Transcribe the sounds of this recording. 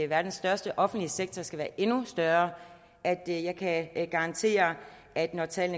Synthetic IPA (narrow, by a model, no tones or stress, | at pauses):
eʋæːɐd̥ensd̥ɶɐsd̥əʔɒ̽fn̩d̥liseɡ̥̚t͡sʰɐsɡ̥æʋæːɐʔe̝nusd̥ɶɐ | ʔæd̥jɑ̈ɪkʰæɡ̥ɑ̈ʁɑ̈nt͡sʰe̝̰ːɐ | ʔæd̥nɒt͡sʰɛ̰ːlnə